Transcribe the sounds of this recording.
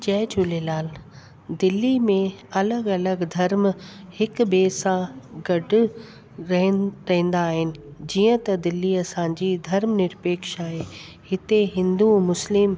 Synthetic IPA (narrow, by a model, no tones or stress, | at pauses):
d͡ʑɛːt͡ɕulelaːl | d̪ɪlːimẽɐləɡɐləɡd̪ʱɐɾmhɪk̆beːsãɡɐɖʱʊ̆ | ɾɐɦɾɐɦĩːn̆d̪aːɦɪnɪ̆d͡ʑiːə̃t̪ɐd̪ɪlːiɐsãːd͡ʑiːd̪ʱɐɾmnɪɾpeːkʃaːɦe | hɪt̪eɦɪ̃nd̪umʊslɪm